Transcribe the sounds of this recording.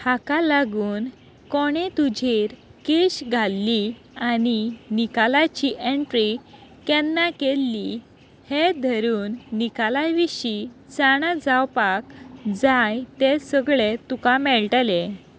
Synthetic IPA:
hakalaɡuːn | kɔɽ̃et̪ud͡ʑʱeɾkeɕɡʱalːi | aninikalat͡ɕiʔẽɳʈɾikɛnːakelːi | hed̪ʱəɾuːnːikalajʋiɕit͡saɽ̃ad͡zawpakd͡zajt̪esəɡɭet̪ukamɛɭʈəle

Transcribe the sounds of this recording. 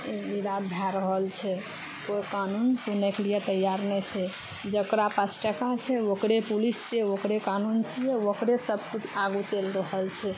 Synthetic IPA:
iɾab̪bʱjaɾəɦəlt͡ʃʰɛ | koikanunsuneklijet̪əjaɾnɛt͡ʃʰɛ | d͡ʒəkɾapəsʈəkat͡ʃʰɛokɾepulist͡ʃʰɛokɾekanunt͡ʃʰijɛokɾesəbʱkut͡ʃʰaɡut͡ʃelɾəɦəlt͡ʃʰɛ

